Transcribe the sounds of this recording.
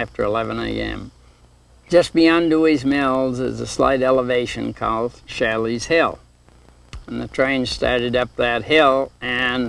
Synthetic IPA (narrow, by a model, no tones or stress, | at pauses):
æftə˞əlɛvɨ̃nḛɪɛ̰̃m̥ | d͡ʒʌsb̥iɑ̃nduizmɪlˠzɪ̰zəsla̰ɪɾɛlˠəveɪʃɨ̃n̩kʰɔ̰lˠd̥ʃælˠiz̥hɪlˠ | ə̃n̩ðɨtʰɹ̥ẽɪ̃nstɑ̰ɹɾɨɾʌp̚ðɨt̚hɪlˠɨ̃n